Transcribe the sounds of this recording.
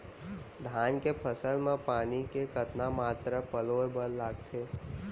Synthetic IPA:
d̪ʱaːnkepʰəsəlmẽpaːnikekət̪namaːt̪ɾəpəloːjbəlːaːɡt̪ʰeː

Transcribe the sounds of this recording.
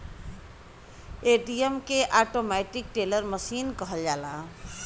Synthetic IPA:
eʈijəmkeʔaʈomaʈik̚ʈeləɾməsiːnkəɦəld͡ʒaːla

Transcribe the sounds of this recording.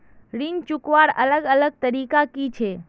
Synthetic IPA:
ɾint͡ʃʊkʋaɾələɡələɡ̚t̪əɾiːkakit͡ʃʰe

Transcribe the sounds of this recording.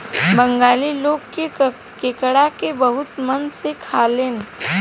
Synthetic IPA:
bə̃ŋɡaːliloːɡke | keːkəɽakebəɦʊt̪mɐnsekʰaːleːn

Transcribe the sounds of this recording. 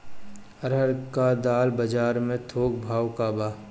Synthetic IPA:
əɾɦəɾkad̪aːlbəd͡ʒaːɾmẽt̪ʰoːk̚bʱaːwkaːbaː

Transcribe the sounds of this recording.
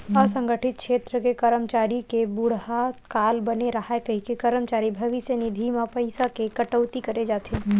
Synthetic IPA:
əsə̃ŋɡəʈʰɪt̪̚kʃʰeːt̪ɾəkekəɾəmt͡ʃaːɾikebuɽ̤ɦakaːlbəneɾɐɦaekɐɦikikəɾəmt͡ʃaːɾibʱɐʋisjənid̪ʱimapəɪsakekəʈəʊt̪ikəɾed͡ʒaːt̪ʰe

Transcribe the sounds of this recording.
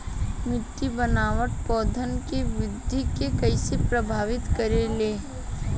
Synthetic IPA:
mɪʈːibənaːʋəʈpɔːd̪ʱənkeʋɪd̪ʱːikekɐɪsepɾəbʱaːʋɪt̪kəɾeleː

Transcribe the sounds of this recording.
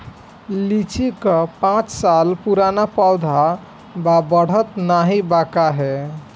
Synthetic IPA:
lit͡ʃikəpãt͡ʃsalpuɾanapawd̪ʱa | babəɽ̤ət̪naɦibakaɦɛ

